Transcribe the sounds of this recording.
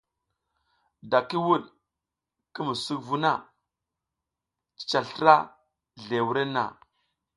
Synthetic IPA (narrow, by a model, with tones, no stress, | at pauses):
da˨ki˦wu˦˨ɗ | ki˦mu˨su˦kvu˦na˦˨ | t͡ʃi̥˨t͡ʃa˨ɬə˦ɾa˦ | ɮe˨wu˦ɾe˦na̰˨